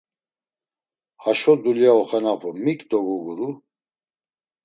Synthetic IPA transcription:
haʃɔd̪uljaɔχɛnapʰɔmikʼd̪ɔɡɔɡuɾu

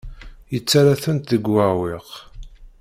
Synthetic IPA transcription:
jət͡sːaɾaθənt̪ðəɡwawɪʁ

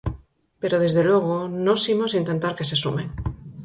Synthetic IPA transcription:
pe̞ɾo̞ðe̞zðe̞lwe̞ɣ̞ono̞simo̞sint̪e̞nt̪aɾke̞sesumẽŋ

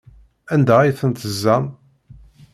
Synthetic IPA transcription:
ænd̪ææjθənt̪əzːæn

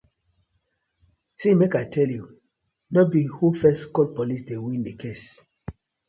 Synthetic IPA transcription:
sĩmekaɪtʰɛlju | nɔbihufɛskɔlpɔlisdewĩndekʰes

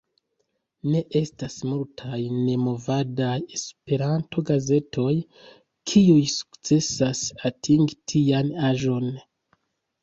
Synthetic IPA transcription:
ne̞ʔe̞stasmultʰajne̞mo̞vadaje̞spe̞ɾanto̞ɡaze̞tʰo̞j | kʰiujsu̥kt͡se̞sasatʰiŋɡitʰianaʒo̞n

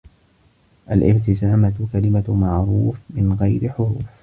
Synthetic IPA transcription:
ʔalʔɪbt̪ɪsaːmakalɪmamaʕɾuːfmɪnɣajɾɪħʊɾuːf

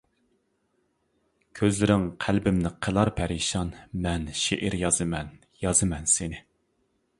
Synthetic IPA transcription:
kʲʰøzlɪɾɪŋqʰælbɪmnɪqʰəlˠɑɾpʰɛɾiʃɑnmɛnʃeʔɪɾjɑzɨmɛn | jɑzɨmɛnsɪnɪ

